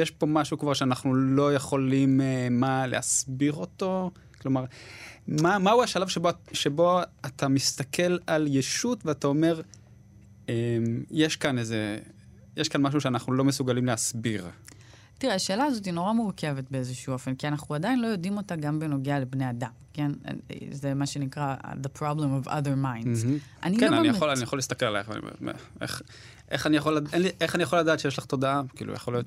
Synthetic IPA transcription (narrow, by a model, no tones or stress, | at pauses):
jeʃpo̞maʃukvaʁʃeanaχnulo̞jeχo̞limmale̞̰asbiʁo̞to̞ | klo̞maʁ | mamauaʃalavʃeboʃe̞bo̞at̪amist̪akʰe̞laljeʃutveatao̞me̞ʁ | emjeʃkaneze | jeʃkanmaʃ̬uʃeanaχnulo̞mesuɡalimleasbiʁ | t̪iʁeaʃe̞ːlaːzo̞t̬ino̞ʁamuʁke̞vetbe̞ezeʃuːo̞fenkianaχnuadajinlo̞jo̞dimo̞taɡambeno̞ɡealebne̞jad̪amke̞n̰zemaʃe̞nikʁaðepʁablemova̰ðəʁmajn̩z̩ʔa̰nikɡkenananijaolanijaχolist̪akelala̰eχv̰nḭm̰mḛḛχ | ʔeχanijaχolaʔenliʔeχanijaχo̞lad̪aːt̪ʃejeʃ̬laχt̪o̞daakḭːlṵja̰χolijo̞t̪